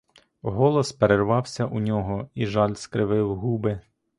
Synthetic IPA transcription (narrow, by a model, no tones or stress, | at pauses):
ɦɔlˠɔspeɾerʋɑwsʲɐʔunʲɔɦɔiʒɑlʲskɾɪʋɪwɦubɪ